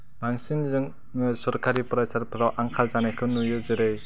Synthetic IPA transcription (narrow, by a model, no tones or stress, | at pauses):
maŋsinzɯŋ | nɯsɔɾkʰaɾipɯɾasʰaɾpʰaɾɔʔaŋkʰalzanekʰɯnːujɯzɯɾɯj